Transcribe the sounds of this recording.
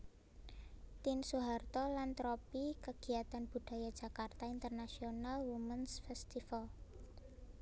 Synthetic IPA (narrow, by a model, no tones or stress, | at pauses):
t̪insuɦart̪ɔlant̪ɾɔpikəɡ̥i̤at̪anb̥ṳɖ̥a̤jad̥d͡ʒ̥a̤kart̪aint̪ərnasionalwumənsfɛst̪ifal